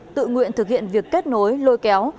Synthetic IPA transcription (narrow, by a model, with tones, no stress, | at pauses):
t̪ɨ̰˧˨ŋwḭ˧˨ənt̪ɨ˨˩k̚hḭ˧˨ənvi˨˩əkːe˦˥t̚no˨˦jlo˧jkɛ˨˦w